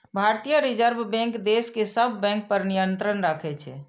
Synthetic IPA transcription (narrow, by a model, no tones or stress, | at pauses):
bʱaɾt̪ijəɾid͡ʒəɾbʱbɛ̃ŋkd̪eskesəbʱːɛ̃ŋk̚pəɾnijənt̪ɾənɾakʰɛt͡ʃʰɛ̰